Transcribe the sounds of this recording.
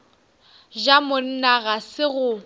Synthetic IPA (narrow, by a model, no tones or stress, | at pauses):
d͡ʒamʊn̩naɣasɪɣʊ